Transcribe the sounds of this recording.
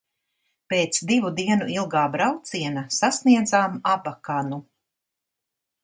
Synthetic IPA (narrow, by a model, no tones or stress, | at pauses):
peːt̪sd̪ivud̪iɛnuilˠɡaːbɾawt̪siɛnasasniɛd̪zaːmabakanu